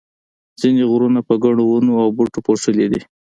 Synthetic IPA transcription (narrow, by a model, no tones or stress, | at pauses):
z̥ineɣɾunapəɡaɽ̃owunoawbuʈopoʂəled̪i